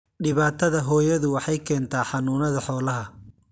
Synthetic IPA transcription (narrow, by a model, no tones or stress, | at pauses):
ɖɪβaːt̪ʰɐðɐɦɔːjɐðʊwɑħɑjkʰɛːnt̪ʰaːħɑnuːnɐðɐħɔːlɐɦɐ